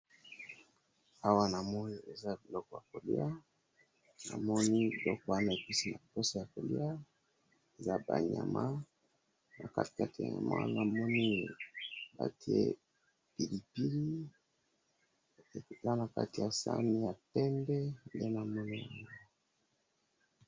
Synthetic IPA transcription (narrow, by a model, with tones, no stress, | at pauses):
a˦wa˦na˨mo˦jo˦˨e˨za˦bi˨lɔ˦kɔ˨ja˨ko˨lḭ˦a˦ | na̰˨mɔ˦ni˦lɔ˦kɔ˦˨a˦na˨e˨pi˦si˦na˨po˦sa˦ja˨ko˨li˦a˦ | e˨za˦ba̰˨ɲa˨mʔa˦ | na˨ka˦˨ka˦ti˨ja̰˨ɲa̰˨mʔa̰˦na˨mɔ˦ni˦ | ba̰˦ti˦ḛ˦ | pi˨li˨pi˦li˦˨ | za˦na˨ka̰˦ti˨ja˨sa̰˦mi˦ja˨tɛ˦mbɛ˦nde˦na˨mɔ˦ni˦ja˨ŋo˦